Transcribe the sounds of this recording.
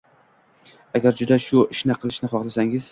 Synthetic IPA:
aɡʲaɾd͡ʒʊd̪aʃʊɪʃnɪqʰɨlˠɪʃnɪχɒχlasaŋɪz̥

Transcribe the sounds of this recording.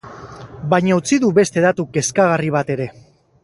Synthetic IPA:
bajɲaut͡siðuβe̞st̪e̞ðat̪uke̞skaɣariβ̞at̪e̞ɾe̞

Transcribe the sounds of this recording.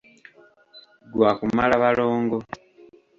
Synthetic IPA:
ɡwaːkumalaβalo̞ːŋɡo̞

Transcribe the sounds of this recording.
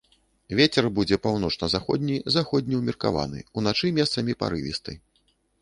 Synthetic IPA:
vʲet͡sʲɛrbud͡zʲɛpawnɔt͡ʂnɐzaxɔd̪ʲnʲizaxɔd̪ʲnʲiwmʲirka̰va̰nɨ̰unat͡ʂɨmʲɛst̪sɐmʲipa̰ɾɨvʲḭst̪ɨ̰

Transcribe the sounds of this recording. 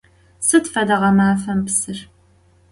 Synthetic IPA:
sɨtfɐdɐʁɐmaːfɐmpsɨr

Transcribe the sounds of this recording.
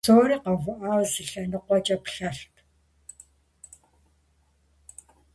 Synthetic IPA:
oːɾiːqɐɣʷʊʔaːwzɨɬɐnɨqʷɔt͡ʃʼɐpɬɐɬpʰ

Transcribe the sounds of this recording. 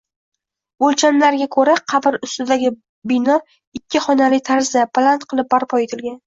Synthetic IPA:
olt͡ʃʰanlaɾɡʲakʰɵɾaqʰɑbɪɾʊst̪ɪd̪aɡʲɪ | bɪnɒ | ɪkʲʰːɪχɒnalɪt̪ʰaɾzapʰalˠant̪qʰɨlˠɪp̚baɾpʰɒet̪ʰɪlɡʲan

